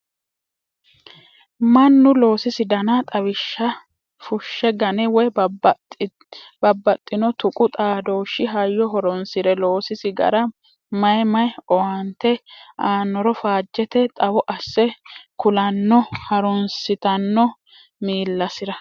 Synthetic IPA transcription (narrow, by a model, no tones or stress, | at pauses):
mɐnːʊlo̞ːsɪsɪd̪ɐnɐt̪ʼɐβɪʃːɐ | fʊʃːɛɡɐnɛwɔj | bɐbːɐt̪ʼːɪnɔt̪ʊkʼʊt̪ʼaːd̪oːʃːɪɦɐjːɔɦɔɾɔnsɪɾɛlo̞ːsɪsɪɡɐ̰ɾɐ | mɐjmɐjɔwant̪ːɛʔaːnːɔɾɔfaːd͡ʒːɛt̪ɛt̪ʼɐwɔʔɐsːɛkʊlɐnːɔhɐɾɔnsɪt̪ɐnːɔ | miːlːɐsɪɾɐ